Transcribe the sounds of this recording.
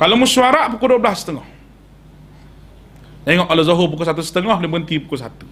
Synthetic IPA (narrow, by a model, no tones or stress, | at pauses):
kalomusuaɾaʔpukuduəblasə̥t̪əŋɔh | t̪ɛŋɔʔalozoɦop̬ukusat̪usə̥t̪əŋɔhlimbɡənt̪ipukus̬at̪u̥